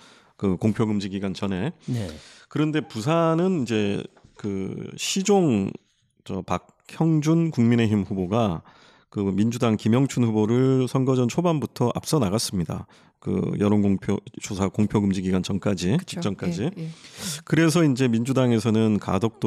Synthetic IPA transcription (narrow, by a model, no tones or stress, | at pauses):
kɯkoŋpʰjoɡɯmd͡ʑiɡiɡwant͡ɕʌne̞ | kɯɾʌnde̞pusʰanɯnind͡ʑe̞kɯɕʰid͡ʑoŋ | t͡ɕʌpak̚çjʌŋd͡ʑunkuŋmine̞çimɸuboɡa | kɯmind͡ʑudaŋkimjʌŋt͡ɕʰunɸuboɾɯɭsʰʌnɡʌd͡ʑʌnt͡ɕʰobambutʰʌʔa̰p̚s͈ʌnaɣas͈ɯmɲida̰ | kɯ̰jʌɾonɡoŋpʰjot͡ɕosʰakoŋpʰjoɡɯmd͡ʑiɡiɡwant͡ɕʌnk͈ad͡ʑit͡ɕi̥kt͡ɕ͈ʌnk͈ad͡ʑi | kɯɾe̞s̬ʰʌind͡ʑe̞mind͡ʑudaŋe̞sʰʌnɯnka̰dok̚t͈o